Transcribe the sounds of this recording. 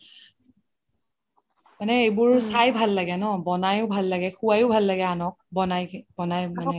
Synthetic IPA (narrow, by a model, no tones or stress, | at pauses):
manɛejbʊɹsajbʱalːaɡɛnɔbɔnajʊbʱalːaɡɛxuajʊbʱalːaɡɛanɔk̚bɔnajbɔnajmanɛ